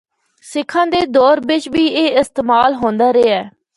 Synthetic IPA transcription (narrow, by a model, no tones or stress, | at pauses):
sɪkʰːãːd̪eːd̪ɔːɾbɪt͡ʃʋiːeːɪst̪eːmaːlɦõːnd̪aːɾeːɛː